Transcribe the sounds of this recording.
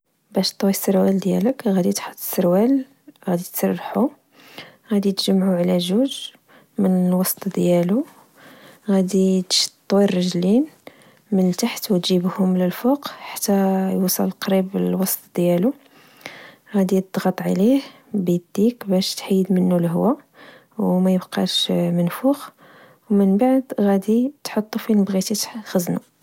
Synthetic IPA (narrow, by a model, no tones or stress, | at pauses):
bæʃt̪ˤːwisəɾwæld̪jæləkɣæd̪it̪ħo̥t̪ˤːə̥sːəɾwæl | ɣæd̪it̪sɑrˤːħu | ɣæd̪it̪ʒəmːʕuʕlæʒuʒ | mənəlwɑsˤt̪ˤd̪jælu | ɣæd̪it̪ʃt̪ˤːwirːɑʒlin | mənt̪aħt̪wt̪ʒibhʊmləlfoqħḁt̪ːæjusˤɑ̰lqɾibəlwɑst̪ˤd̪jælu | ɣæd̪id̪ɣɑt̪ˤʕalih | bid̪ːikbæʃt̪ħiːd̪mənːulɦwæ | wmæjəbqɑ̰ʃmənfux | wmənbaʕd̪ɣæd̪it̪ħot̪ˤːufinbɣit̪it̪xəznu